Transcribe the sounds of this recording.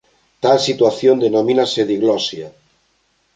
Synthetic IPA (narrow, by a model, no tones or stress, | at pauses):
t̪alsit̪waθjond̪enomĩnaseðiɣlɔsja